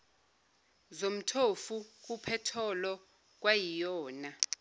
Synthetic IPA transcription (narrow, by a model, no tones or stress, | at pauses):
zom̩tʰofuk̬ʼupʰɛtʰɔlɔ | k̬wajijɔːna